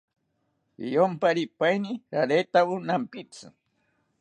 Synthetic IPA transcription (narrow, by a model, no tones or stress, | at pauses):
ḭjompaɾipajniɾaɾet̪awʊnampɪt͡sa̰